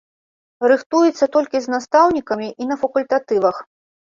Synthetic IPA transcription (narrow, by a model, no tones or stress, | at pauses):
rɨxt̪ujɛt̪sːɐt̪ɔlʲkʲiznast̪awnʲikɐmʲiʔinɐfɐkulʲt̪at̪ɨvɐx